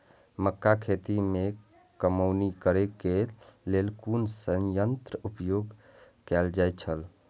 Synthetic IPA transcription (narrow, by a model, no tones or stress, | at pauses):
məkːakʰet̪ime | kəməwnikəɾekelelkunsə̃jənt̪ɾəupjoɡ | kɛld͡ʒajt̪̚t͡ʃʰəl